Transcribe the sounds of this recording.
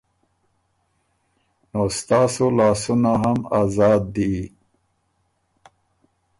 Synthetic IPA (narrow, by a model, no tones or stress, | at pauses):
nost̪ɑːsolɑːsunaɦamaːzɑːd̪ːi